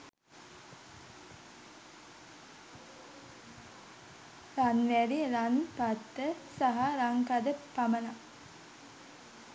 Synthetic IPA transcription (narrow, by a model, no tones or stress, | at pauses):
ɾanʋæɾiəɾanpat̪ːəsaɦaɾaŋkad̪əpaməna